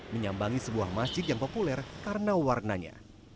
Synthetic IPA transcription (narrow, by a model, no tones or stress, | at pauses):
məɲambaŋisəbuahmasd͡ʒɪd̪jaŋpopulɛrkaɾənawarnaɲa̰